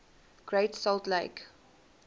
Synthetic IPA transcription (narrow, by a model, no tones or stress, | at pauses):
ɡ̥ɹeɪtsɔltleɪk